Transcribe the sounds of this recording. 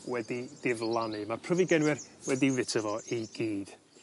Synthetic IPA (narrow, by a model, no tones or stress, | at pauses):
wɛdid̥ɪvlˠanɨmarpʰrɔviɡɛnwɪrwɛdivɪtʰəvɔiɡ̥iːd̥